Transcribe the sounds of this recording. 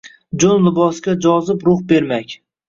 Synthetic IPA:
d͡ʒonlɪbɒsɡʲad͡ʒɒzɪpɾʊχbe̞ɾmakʲ

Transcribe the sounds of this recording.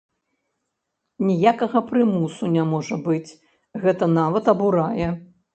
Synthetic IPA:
nʲijakɐɣɐpɾɨmusunʲamɔʐɐbɨt͡sʲ | ɣɛt̪ɐnavɐt̪ɐbuɾajɛ

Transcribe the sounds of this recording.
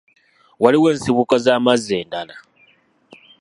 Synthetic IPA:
waliwe̞ːnsiβukazaːmazːe̞ːndala

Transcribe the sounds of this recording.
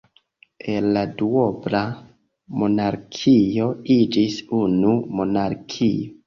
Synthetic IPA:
e̞lːaduo̞bla | mo̞naɾkʰio̞id͡ʒisunumo̞naɾkʰijo

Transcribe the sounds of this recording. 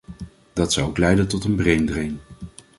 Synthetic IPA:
d̥ɑtsɑwowklɛjdəntɔtənbrejndrɪjn

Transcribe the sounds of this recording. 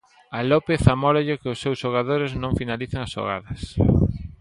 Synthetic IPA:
alopeθamɔɾaʎɪkɪʊsːewsʃoɣ̞aðoɾɪznõŋfinaliθeŋɐsʃo̰ɣa̰ðɐs

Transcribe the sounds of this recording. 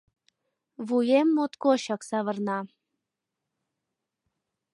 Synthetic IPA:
βujemːot̪koɕɑksɑβərnɑ

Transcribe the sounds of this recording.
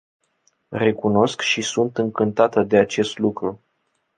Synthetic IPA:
re̞kuno̞skʃisunt̪ɨŋkɨnt̪at̪əd̪e̞at͡ʃe̞st̪lukɾu

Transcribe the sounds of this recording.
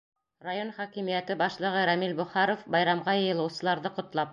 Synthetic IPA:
rajonχækimijæt̪ɘbɑʃlˠɤ̆ʁɤɾæmilbŏχɑɾofbɑjɾɑmʁɑjɤ̆jɤ̆lˠɤ̆wsɤ̆lˠɑɾðɤqŏt̪lˠɑp̚

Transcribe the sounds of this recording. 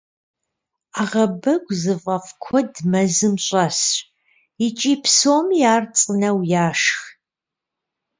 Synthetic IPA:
aːʁɐbɐɡʷʼzɨvɐfkʷʰɔdmɐzɨmɕʼɐsɕ | ɪt͡ʃʼiːpʰsoːmjaːrt͡sʼɨnɐwjaːʂx

